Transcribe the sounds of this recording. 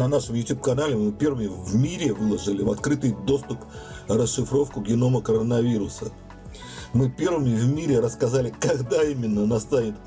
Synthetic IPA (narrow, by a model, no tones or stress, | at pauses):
nɐnaʂəmjʊtʲup̚kɐnalʲɪmɨpʲe̞rvəmʲɪvmʲiɾʲɪvɨlˠəʐɨlʲɪvɐt̪kɾɨt̪ɨjd̪o̞st̪ʊprəsʂːɨfɾo̞fkʊɡɡʲɪno̞məkəɾənɐvʲiɾʊsə | mɨpʲe̞rvəmʲɪvmʲiɾʲɪɾəskɐzalʲɪkɐɡd̪aimʲɪnːənast̪anʲɪt̪